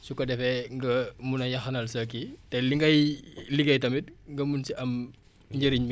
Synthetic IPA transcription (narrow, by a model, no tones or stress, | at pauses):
sukːɐdɛfɛŋɡɐmunɐjɐxɐnɐlsɐkitɛliŋɡɐjliɡɐjtɐmit̚ŋɡɐmunsiʔɐm | ɲɟəɾiɲm